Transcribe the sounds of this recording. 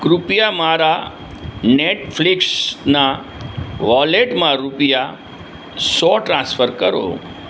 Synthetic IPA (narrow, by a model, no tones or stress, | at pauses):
kɾupjamaɾa | neʈfʰliksna | ʋɔleʈmãɾupja | sɔʈɾãsfəɾkəɾo̰